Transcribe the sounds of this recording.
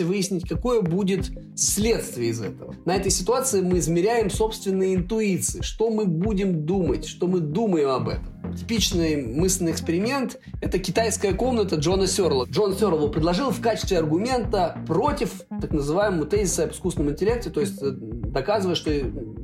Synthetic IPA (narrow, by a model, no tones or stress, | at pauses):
vɨjɪsʲnʲɪtʲkɐko̞jəbudʲɪt̪ | sʲlʲe̞t̪st̪vʲɪjəɪzɛ̰t̪əvənɐɛt̪əjsʲɪt̪ʊat̪sɨɪmɨɪzmʲɪɾʲæjɪmso̞pst̪vʲɪnːɨjəɪnt̪ʊit̪sɨɪʂt̪o̞mɨbudʲɪmd̪umətʲʂt̪o̞mɨd̪uməjɪmɐbɛ̰t̪əmtʲɪ̥pʲit͡ɕnɨjmɨslʲnɨɪkspʲɪɾʲɪmʲe̞nt̪ | ɛt̪əkʲɪt̪ajskəjəko̞mnət̪əʐo̞nəsʲo̞rlˠəʐo̞nsʲo̞ɾlˠəpɾʲɪd̪ˠɐʐɨlˠfkat͡ɕɪst̪vʲɪɐrɡʊmʲe̞nt̪əpɾo̞tʲɪf | t̪aknəzɨvajɪməmʊt̪ɛzʲɪsəɐpɪ̥skusnəmʊɪnʲtʲɪlʲe̞k̚tʲɪt̪o̞jɪsʲtʲd̪ɐkazɨvəjəʂt̪o